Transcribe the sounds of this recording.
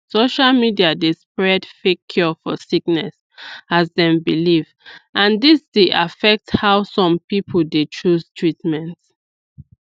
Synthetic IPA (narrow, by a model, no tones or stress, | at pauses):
soʃalmidiadespɹɛdfekʰːjɔfɔsiknɛs | azðɛ̃mbiliv | ʔãndisd̥eʔafɛk̚thawsɔ̃mpipʰəl̩det͡ʃʰustʰɹitmɛ̃nt